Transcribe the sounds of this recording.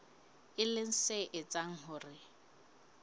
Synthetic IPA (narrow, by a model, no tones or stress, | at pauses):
ɪlɪn̩seʔɪt͡sʼaŋ̩ɦʊːrɪ